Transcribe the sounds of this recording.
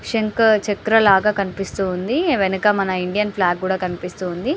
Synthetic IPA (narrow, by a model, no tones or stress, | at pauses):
ʂeŋkt͡ʃekɾɐlaːɡaːkɐnipist̪uːnd̪iʋenukɐmɐnɐiɳɖijɐnpʰlaːɡːuːɽaːkɐnipist̪uːnd̪i